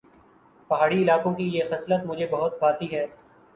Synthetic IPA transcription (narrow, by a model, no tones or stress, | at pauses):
pɐɦaːɽiɪlaːkõkijexɛslət̪mʊd͡ʒʱebɐɦʊt̪̚baːt̪iɦɛː